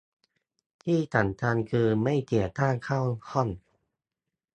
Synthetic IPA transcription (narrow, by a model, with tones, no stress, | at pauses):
t̪ʰiː˥˩t̪ʰa˨˩˦nt̪ʰa˧nkʰɯː˧ma˥˩jt̪i˨˩ət̪aː˥˩ŋkʰa˥˩whɔ˥˩n